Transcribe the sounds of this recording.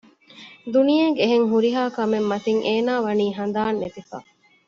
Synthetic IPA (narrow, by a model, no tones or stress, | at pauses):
d̪unijeːɡeeɦeŋɦuɾiɦaːkɐmemːɐt̪iŋʔeːnaːʋɐniːɦɐnd̪aːnːet̪ifa̰